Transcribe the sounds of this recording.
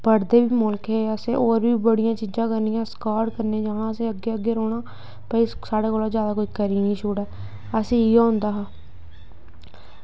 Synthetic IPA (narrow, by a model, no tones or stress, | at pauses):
pəɾd̪eːbiːmʊlkɦeːəsẽːʔoːɾbiːbəɽɪjãːt͡ʃiːd͡ʒãːkəɾnijãːskaːɖkəɾnẽːd͡ʒaːnaːəsẽːəɡeːəɡeːɾoːɽ̃aː | pəisaːɽaːkoːlaːzjaːd̪aːkoikəɾiːnĩːʃoːɽɛː | əsẽːiːãːʊnd̪aːɦaː